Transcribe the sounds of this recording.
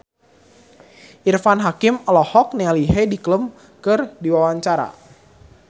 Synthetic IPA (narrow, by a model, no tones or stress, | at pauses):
ʔirfanɦakimɔlɔhɔk̚nealiɦedikləm | kɨrdiwawaɲt͡ʃaɾa̰